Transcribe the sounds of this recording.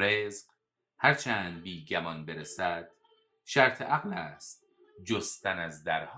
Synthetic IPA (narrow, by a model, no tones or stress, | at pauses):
ɾezq | hæɾt͡ʃʰæːnd̪̚biːɡæmɒnbe̞ɾesæd̪̥ | ʃæɾt̪ʰeʔæɣlæːst̪̚ | d͡ʒost̪ʰænæzd̪æɾh